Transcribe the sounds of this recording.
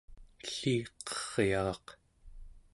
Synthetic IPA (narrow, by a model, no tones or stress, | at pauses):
ɬiːqʌ̥ʁjɑʁɑq